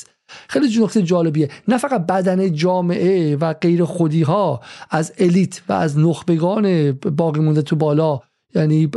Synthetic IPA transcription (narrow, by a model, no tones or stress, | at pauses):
xejlid͡ʒuːnokt̪ʰejd͡ʒɒːle̞bienæfæɣæt̪̚bæd̪æned͡ʒɒːme̞ʔevæɡe̞jɾexod̪iːɦɒːʔæzeliːt̪ʰvæ̰æ̰znoxbe̞ɡɒːnebɒːɣiːmund̪et̪ʰubɒːlɒː | jæːniː